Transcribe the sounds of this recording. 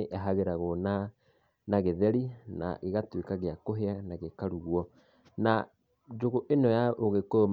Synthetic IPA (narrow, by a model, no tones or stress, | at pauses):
ʔɛɦaɣeɾaɣona | naɣeðɛɾina̰ɣeɣatwekaɣeakoɦeanaɣekaɾuɣwɔ | na | d͡ʒoɣoʔenɔjaʔoɣekom